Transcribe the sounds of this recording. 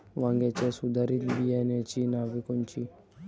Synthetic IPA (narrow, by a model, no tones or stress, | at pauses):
ʋãŋɡet͡ʃɛsud̪aɾit̪biɛnet͡ʃinabikunt͡ʃi